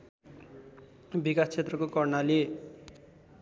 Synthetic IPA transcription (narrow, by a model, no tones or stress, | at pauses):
bikast͡sʰet̪rʌkokʌrnali